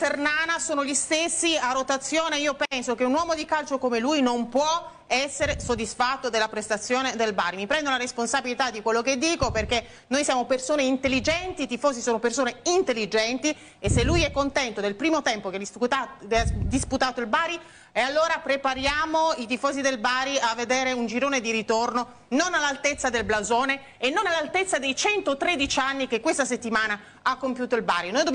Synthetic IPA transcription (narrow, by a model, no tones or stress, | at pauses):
fernaːnasoːnoʎist̪esːiarot̪at̪sːjoːneiːopɛnsokeunwɔːmod̪ikalt͡ʃokomelujnompwɔ | ɛsːeɾesod̪ːisfat̪ːod̪elapɾest̪at̪sːjoːned̪elba̰ːɾimipɾɛnd̪olaɾesponsabilit̪ad̪ikwelːoked̪ːiːkoperke | nojsjaːmopersoːneint̪elːid͡ʒɛnt̪it̪ifoːzisoːnopersoːneint̪elːid͡ʒɛnt̪i | eselːujɛkːont̪ɛnt̪od̪elpɾiːmot̪ɛmpoke | d̪isput̪aːt̪oilbaːɾi | ealːoːɾapɾepaɾjaːmoit̪ifɔːzid̪elbaːɾiavːed̪eːɾeund͡ʒiɾoːned̪iɾit̪orno | nonalːalt̪et̪sːad̪elblazoːne | enːonalːalt̪et̪sːad̪ejt͡ʃɛnt̪ot̪ɾed̪it͡ʃanːikekwest̪aset̪ːimaːna | akːompjuːt̪oilba̰ːɾinojd̪ob